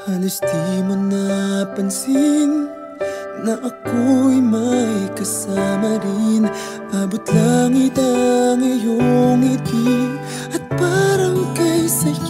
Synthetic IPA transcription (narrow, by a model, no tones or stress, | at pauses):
halɐst̪imʊnːapɐnsinː | aʔakujmajkɐsamaɾin | abʊt̪laŋid̪aŋijoŋit̪i | ɐt̪̚paɾaŋkajsɐ